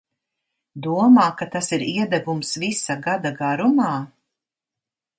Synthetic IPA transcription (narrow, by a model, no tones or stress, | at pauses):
d̪uɔmaːkat̪asiɾiɛd̪ɛvumsvisaɡad̪aɡaɾumaː